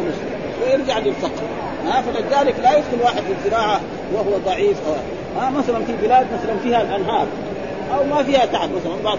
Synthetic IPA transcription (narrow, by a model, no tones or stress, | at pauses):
maʃ | wɪjɪɾd͡ʒaʕlilsɑqː | manaːfalat̪d̪aːlɪklajɪd̪kʊlwaːħɪd̪lizzɨɾɑːʕa | wahuwad̪ˤɑʕiːfʔaw | ʔamasalanfibɪlaːd̪masalanfiːhalʔanɦɑːɾˤ | ʔawmafiːhat̪aʕabmasalanbɑʕ